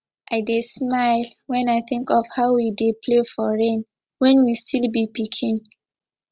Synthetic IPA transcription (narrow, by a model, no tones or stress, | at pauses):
ʔaɪdesmaɪlwɛ̃naɪθɪ̃ŋkɔvhaʊwidepʰlefɔɹẽn | wɛ̃nwistʰilbipikʰĩn